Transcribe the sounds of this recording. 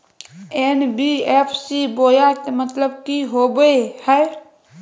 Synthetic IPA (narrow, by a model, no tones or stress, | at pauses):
enbiepʰsibojat̪mət̪ləbkiɦobehɛ